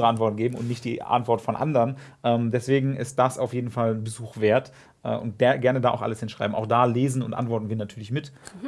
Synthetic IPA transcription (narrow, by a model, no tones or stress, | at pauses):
ʁəʔantv̥ɔɐtn̩ɡeːbm̩ʊ̰ntnɪçt̚d̥ḭːʔa̰ntv̥ɔɐtfɔnʔa̰ndəʁənʔɛːmdɛsv̥eːɡŋ̩ʔɪ̰st̚d̥asa̰ʊfjeːdn̩falnbəzuːxv̥eːɐt | ʔɛːʔʊ̰ntɡ̥ɡɛɐnədaːʔa̰ʊxʔa̰ləshɪnʃʁ̥a̰ɪbm̩ʔa̰ʊxd̥aːleːzn̩ʊntʔa̰ntv̥ɔɐtn̩viːɐnatʰyːɐlɪçmɪt